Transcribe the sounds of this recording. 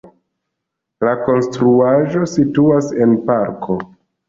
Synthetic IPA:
lako̞nstɾuaʒo̞situase̞npaɾkʰo̞

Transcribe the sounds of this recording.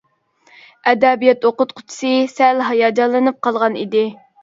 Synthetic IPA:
ɛd̪ɛbijɛt̪oqʊt̪̚qʰʊ̥t̪ʰɪ̥sɨsælɦɑjɑd͡ʒɑlˠːɨnɨp̚qʰɑlˠʁɑnid̪ɪ

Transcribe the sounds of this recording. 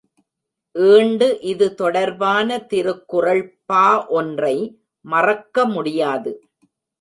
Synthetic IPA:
ʔeːɳɖɯʔɪðɯt̪ɔɽɐɾʋaːnɐt̪ɪɾɯkːɯrɐɭpːaːʔɔndrɐɪ | mɐrɐkːɐmʊɽɪjaːðɯ

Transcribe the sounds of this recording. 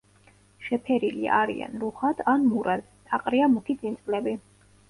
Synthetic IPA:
ʃɛpʰɛɾilḭa̰aɾḭa̰nɾuχad̪anmuɾʔad̪ | t̪ʼaqʼɾiamukʰid̪zʼint̪sʼlɛbi

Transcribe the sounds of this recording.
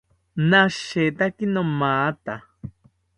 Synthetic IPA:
naʃet̪akinomaːt̪a

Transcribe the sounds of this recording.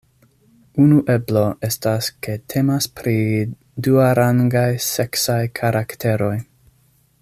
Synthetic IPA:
unuʔe̞blo̞ʔe̞staske̞tʰe̞maspɾi | duaɾaŋɡajse̞ksajkʰaɾʔaktʰe̞ɾo̞j

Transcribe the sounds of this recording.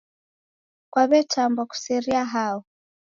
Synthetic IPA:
kwaβɛtambaku̥sɛɾiaɦaɔ

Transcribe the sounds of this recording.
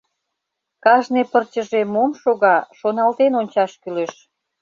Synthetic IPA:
kɑʒnepərt͡ɕəʒemomʃoɣɑʃonɑlt̪enonʲt͡ɕɑʃkyleʃ

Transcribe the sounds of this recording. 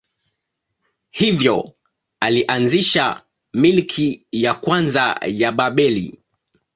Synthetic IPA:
hivjɔ | aliʔanziʃa | milkʰijakwanza̰jaɓaɓɛlḭ

